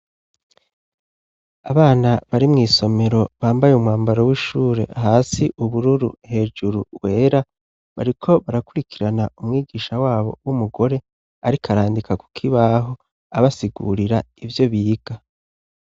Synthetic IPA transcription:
a̰βaːnaβaɾimŋiːso̞me̞ɾo̞βaːmbajeumŋaːmbaɾowiʃuːɾe̞̰ɦaːsiʔuβuɾuɾṵhe̞ːd͡ʒuɾuwe̞ːɾa | βa̰ɾikʰo̞βaɾakuɾikʰiɾanaumŋiːɡiːʃawaːβo̞̰wumuɡo̞ɾe̞ | aɾikʰaɾaːndikaku̥kʰiβaɦo̞ | aβasiɡṵɾiɾaivjo̞βiːɡ̥a

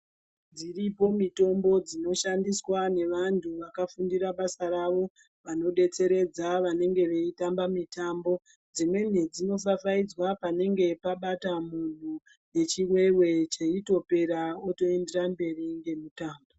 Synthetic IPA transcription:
d͡ziripo̞mito̞mbo̞d͡zino̞ʃandiswane̞ʋantʰuʋakafundiɾaɓasaɾaʋo̞ | ʋano̞ɗe̞t͡se̞ɾe̞d͡zaʋane̞ŋɡe̞ʋe̞itambamitambo̞ | d͡zimwe̞n̤ed͡zino̞f̬afaid͡zwapane̞ŋɡe̞paɓatamun̤u | ne̞t͡ʃiwe̞we̞t͡ʃe̞ito̞pe̞ɾaoto̞e̞nde̞rambe̞riŋɡe̞mutaːmbo

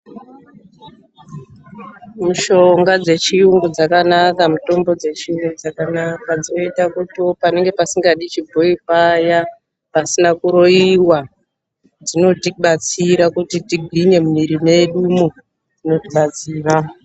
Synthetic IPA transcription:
muʃo̞ŋɡad͡ze̞t͡ʃiuŋɡud͡zakanakamuto̞mbo̞d͡ze̞t͡ʃiuŋɡud͡zakanakad͡zino̞itakutiopane̞ŋɡe̞pasiŋɡaɗit͡ʃibʱo̞ipaja | pasinakuɾo̞iwa | d͡zino̞tiɓat͡siɾakutitiɡʱiɲe̞mumiɾime̞ɗumo | d͡zino̞tiɓat͡siːra

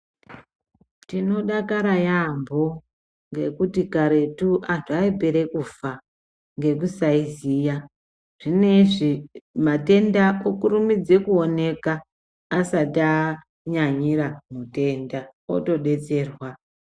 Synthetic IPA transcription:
tino̞ɗakaɾajambo | ŋɡe̞kutikaɾe̞tuʔantʰuaibʱeɾe̞kufa | ŋɡe̞kusaizija | ʐ̥ine̞ʐimate̞ndaokuɾumid͡ze̞kuo̞ne̞kaː | sata | ɲaɲiɾamute̞ndao̰to̞ɗe̞t͡se̞ːrwa

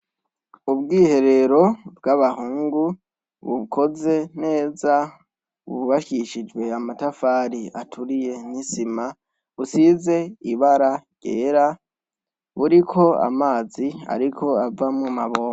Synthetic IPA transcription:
ubɡiːhe̞ɾe̞ɾo̞bɡaβahuːŋɡu | βṵkʰo̞ze̞ne̞ːza | βṵβaʃiʃid͡ʒɡwe̞amatafaːɾia̰tʰuɾije̞nisima | βusize̞iβaɾaɟ̥ḛːɾa | βuɾikʰo̞a̰maːzia̰ɾikʰo̞avamumaβoːma

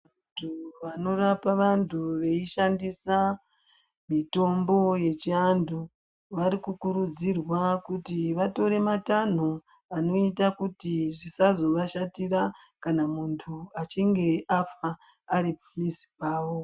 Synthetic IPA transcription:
a | tʰuʋano̞rapaʋantʰuʋe̞iʃandisa | mito̞mbo̞je̞t͡ʃiandʱu | ʋaɾikukuɾud͡zirwakutiʋato̞ɾe̞matan̤u | ano̞itakutiʐisazo̞ʋaʃatiɾa | kanamuntʰuat͡ʃiŋɡe̞afaː | ɾipo̥misi̥paːwo̞

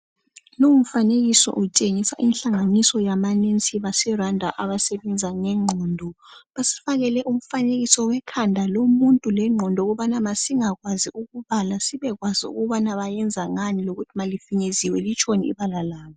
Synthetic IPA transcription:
loum̩faneɣisɔ̰ʔut͡ʃʼeŋisa̰ʔinɬaŋanisɔjamanent͡sʼiβasɛrandʱaʔaβasɛβɛnd͡zʱaŋɛŋ͡ǃʱɔːndʱɔβasi̥faɣɛlɛʔum̩faneɣisɔwɛkʰandʱalomuntʼulɛŋ͡ǃʱɔndʱɔɣuβanamasiŋaɣwaziuɣuβalasiβɛɣwaziṵɣuβanaβajɛnd͡zʱaŋaniloɣutʰimalifiɲeziwɛlit͡ʃʰʼoniḭβalalaːβɔ

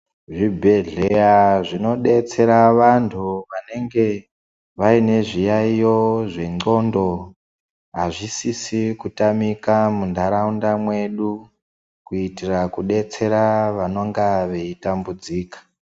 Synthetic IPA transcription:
ʐibʱe̞ɮejaʐino̞ɗe̞t͡se̞ɾaʋantʰuʋane̞ŋɡe̞ | ʋaine̞ʐijaijo̞ʐe̞ŋ͡ǀo̞ndo̞ | ɦaʐisisikutamikamundʱaɾaundamwe̞ɗu | kuitirakuɗe̞t͡se̞ɾaʋano̞ŋɡaʋe̞itambud͡ziːkḁ

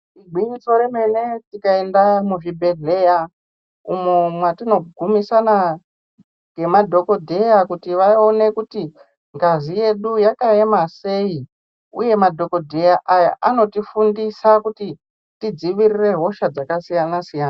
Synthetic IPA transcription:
iɡʱwiɲiso̞ɾeme̞ne̞tikae̞ndamuʐibʱe̞ɮe̞ja | umemwatino̞ɡʱumisana | ɡe̞madʱo̞ko̞dʱe̞jakutiʋao̞ne̞kuti | ŋɡazije̞ɗujakae̞mase̞i | ṵje̞madʱo̞ko̞dʱe̞jaʔaja̰ʔano̞tifundisakuti | tid͡ziʋirire̞ɦo̞ʃad͡zakasijanasijaːna

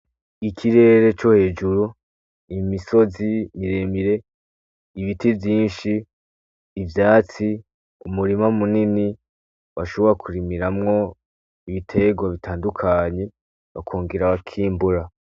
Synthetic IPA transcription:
ikʰiɾe̞ɾe̞t͡ʃo̞he̞ːd͡ʒuɾu | imiso̞zimiɾe̞miɾe̞ | iβitivjiːnʃiː | vjaːt͡si | umuɾimamunini | waʃo̞βo̞ɾakʰuɾimiɾamŋo̞ | iβitʰe̞ɡwaβitʰaːndukʰaɲe̞ | βa̰kʰoːŋɡeɾaβakʰiːmbuɾa

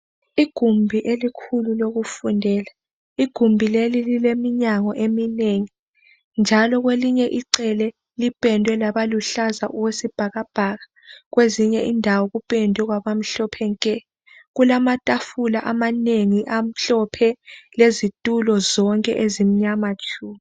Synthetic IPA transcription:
iɡ̥ʱumbʱiʔelikʰululoɣufundʱɛla | iɡ̥ʱumbʱilelililemiɲaŋɔʔemineŋi | nd͡ʒʱalɔɣweliɲɛʔiǀɛlɛ | lipʼɛndʱwɛlaβaluɬazaʔuwesib̥ʱaɣab̥ʱaɣa | ɣweziɲɛindʱawɔɣupʼɛndʱwɛɣwaβam̩ɬɔpʰɛŋkʼɛ | ɣulamatʼafulaʔamaneŋiʔam̩ɬɔpʰɛlezitʼulɔzɔŋkʼɛ̰ʔezim̩ɲamat͡ʃʰʼuːmi

